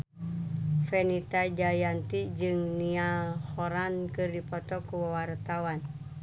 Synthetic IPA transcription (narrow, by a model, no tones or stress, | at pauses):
fɛnit̪ad͡ʒajant̪id͡ʒɨŋnialhɔɾankɨrdipɔt̪ɔkuwawart̪awan